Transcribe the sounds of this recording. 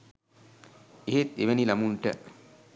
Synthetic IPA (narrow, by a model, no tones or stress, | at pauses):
eɦet̪eʋenilamuɳʈə̰